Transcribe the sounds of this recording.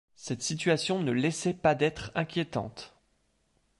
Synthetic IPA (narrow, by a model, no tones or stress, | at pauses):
sɛt̪sit̪ɥasjɔ̃nəlɛsɛpad̪ɛt̪χɛ̃kʲjet̪ɑ̰̃t̪